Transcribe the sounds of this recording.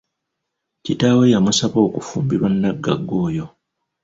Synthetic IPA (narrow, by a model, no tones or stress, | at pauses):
citaːwe̞jamusaβo̞ːkufuːmbiɾwanːaɡːa̰ɡːo̞ːjo̞